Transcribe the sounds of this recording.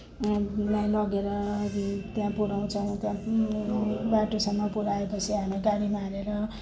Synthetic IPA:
lajlʌɡeɾʌ | t̪jãpuɽaw̃t͡sʰʌw̃t̪jã | baʈosʌmːʌpuɽaepʌt͡sʰiɦameɡaɾimaɾeɾʌ

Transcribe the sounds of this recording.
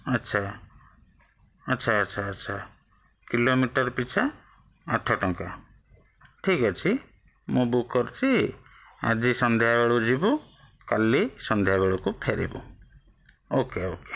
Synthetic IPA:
ʌtːt͡ʃʰa | tːʃʰaːtːʃʰaːtːt͡ʃʰa | kilomiʈɔɾpit͡ʃʰaː | ʈʰɔʈɔŋka | ʈʰikɔt͡ʃʰi | mũbukʰkɔɾut͡ʃʰi | a̰d͡ʒisɔnd̪ʱjabeɭud͡ʒibu | kalːisɔnd̪ʱjabeɭukupʰeɾḭbṵ | okeoke̥

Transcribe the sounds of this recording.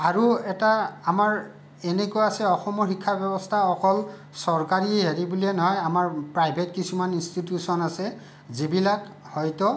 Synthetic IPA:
aɹuɛtaːmaɹ | ɛnekojasɛɔxɔmɔɹxikʰːabɛbɔstʰaɔkɔl | sɔɹkaɹieɦeɹibulɛnɔɦɔjamaɹpɹajbʱetkisumaninstitjusɔnasɛ | zibilak | hɔjtɔ

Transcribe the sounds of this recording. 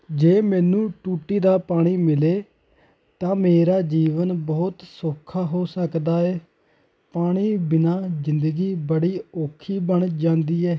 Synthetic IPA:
d͡ʒeːmɛ̃ːnũːʈuːʈiːd̪aːpaːɽ̃iːmɪleː | t̪ãːmeːɾaːd͡ʒiːʋənbɔːt̪soːkʰːaːɦoːsəkd̪aːɛː | paːɽ̃iːbɪnaːzɪnd̪əɡiːbəɽiːoːkʰiːbəɳd͡ʒãːnd̪iːɛː

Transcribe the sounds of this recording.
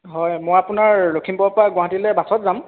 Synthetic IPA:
ɦɔjmojapunaɹlokʰimpɔɹpaɡwaɦatilɛbasɔtzam

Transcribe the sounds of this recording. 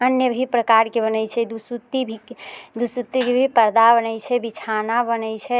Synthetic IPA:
ənjəbʱipɾəkaɾkebənɛjt͡ʃʰɛd̪usut̪ːibʱid̪usut̪ːikebʱipəɾd̪abənəjt͡ʃʰɛbit͡ʃʰanabənɛjt͡ʃʰɛ

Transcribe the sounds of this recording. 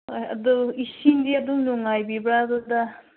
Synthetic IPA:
ojɐ̰d̪ɔisindiɐd̪uŋnuŋajbibɾad̪ud̪a

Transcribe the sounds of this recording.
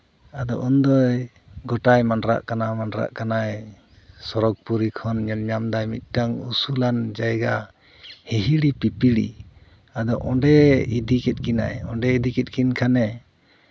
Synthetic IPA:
ad̪ɔ̰ʔund̪ɔj | ɡɔʈajmanɾa̰ʔkanamanɾa̰ʔkanaj | sɔɾɔɡ̚puɾikʰɔnɲɛlɲamd̪ajmit̪̚ˀʈaŋṵsuland͡ʒajɡa | hɛɦiɽipipiɽḭ | ad̪ɔʔɔ̃ɖɛid̪ikɛt̪̚kina̰jɔɳɖɛid̪ikɛt̪̚kinkʰanɛ

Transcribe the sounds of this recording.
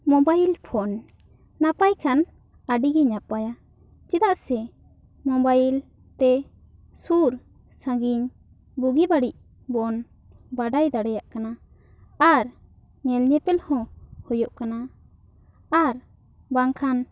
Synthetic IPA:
mɔbajlpʰɔn | napajkʰan | aɖiɡɛɲapaja | t͡ʃɛd̪aʔsɛ | mɔbajl | t̪ɛ | suɾ | sãɡiɲ | buɡibaɽic̚ | bɔn | baɖajd̪aɽɛjaʔkana | aɾ | ɲɛlɲɛpɛlhɔ̃hɔjɔʔkana | aɾ | baŋkʰan

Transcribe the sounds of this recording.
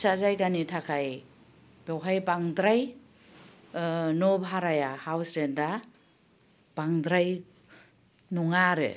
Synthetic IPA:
sazajɡanitʰakʰaj | b̥awɦajbaŋdɾaj | nobɦaɾajahawsɾenda | b̥aŋdɾaj | nɔŋaɾɯ̰

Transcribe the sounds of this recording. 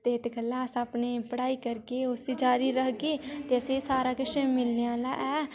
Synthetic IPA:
t̪eːɪt̪ɡəlːãːsapneːpəɽaːiːkəɾkeːʊsiːd͡ʒaːɾiːɾəkɡeːt̪eːəseːsaːɾaːkɪʃemɪlneãːla̰ːʔɛː

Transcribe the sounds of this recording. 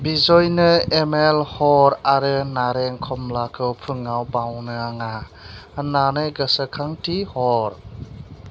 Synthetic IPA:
bizɔjnɯemelhɔɾaɾɯnaɾɛŋkʰɔmlakʰɯwpʰɯŋawbawnɯaŋa | ənanɯɡəsəkʰaŋtihɔɾ

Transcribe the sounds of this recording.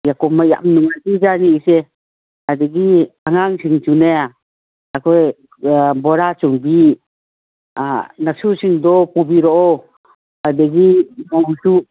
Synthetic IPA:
jakɔmaja̰ʔmnuŋatid͡ʒaniːsɛ | adeɡiaŋaŋsiŋt͡ʃunea | akɔj | bɔɾat͡ʃɔŋbi | anasusiŋd̪ɔpubiɾɔʔɔ | adeɡimɔusuʔ

